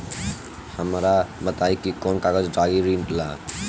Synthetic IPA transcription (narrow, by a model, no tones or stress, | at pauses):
həmɾabət̪ajkikɔnkaɡəd͡ʒɖaɡiɾiɳʈla